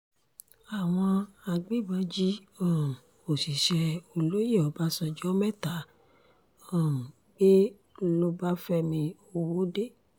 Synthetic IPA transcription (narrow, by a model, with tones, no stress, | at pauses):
a˨w̃ɔ̃˧a˧ɡ͡be˦˨bã˨˦d͡ʒi˦ɔ˦˨m̩˨ | o˨si˨ʃɛ˧o˧lo˦je˦˨ɔ˨˦ba˦sɔ̃˧d͡ʒɔ˦mɛ˦˨ta˨˦ | ɔ˦˨m̩˨ | ɡ͡be˦ | lo˧ba˦fɛ˧mĩ˧o˧wo˦de˦˨